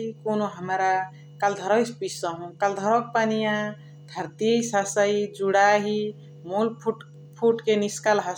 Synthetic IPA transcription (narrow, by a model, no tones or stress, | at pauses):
ikonoɦəmɾa | kald̪ʱʌɾɔjspisʌɦũkald̪ʱɔɾɔk̚panijã | d̪ʱəɾt̪isasajd͡ʒuɽaɦi | mulpʰʈ | pʰuʈkeniskalɦa